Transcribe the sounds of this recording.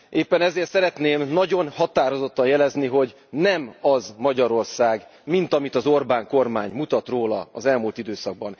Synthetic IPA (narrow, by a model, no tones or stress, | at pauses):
ʔeːpːɛnɛzeːrt̪sɛɾɛt̪neːmnɒɟo̞nhɒt̪aːɾozo̞t̪ːɒnjɛlɛzniɦo̞ɟ | nɛmɒzmɒɟɒɾo̞rsaːɡmint̪ɒmit̪ɒzo̞rbaːŋko̞rmaːɲmut̪ɒt̪roːlɒɒzɛlmult̪id̪øːsɒɡ̚bɒn